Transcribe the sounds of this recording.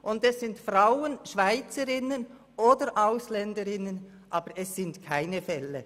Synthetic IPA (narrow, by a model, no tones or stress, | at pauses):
ʔʊndɛsːɪntfraʊənʃv̥aɪt͡səɾɪnən | ʔoːdəɾʔaʊslɛndəɾɪnən | ʔɑːb̥əɾɛsːɪntkʰaɪnəfɛlːə